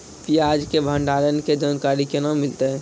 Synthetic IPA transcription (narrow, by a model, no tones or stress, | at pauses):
piaːd͡ʒkebʱə̃ɳɖaːlənked͡ʒaːnkaːɾikenaːmːɪlt̪eɦɛː